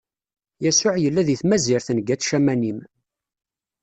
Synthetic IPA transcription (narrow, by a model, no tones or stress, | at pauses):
jæsʊʕjəlːæðiθmæziɾθnɡæt͡sʃæmænim